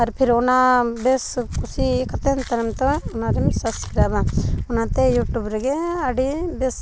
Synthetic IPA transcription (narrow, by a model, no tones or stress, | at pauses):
ɐɾpʰiɾonabeskusikʰɐt̪ent̪ɐɾɐmt̪oʊnad̪imsɐskiɾaːbaʊnãt̪ejuːʈuːbɾɡeɐɽibes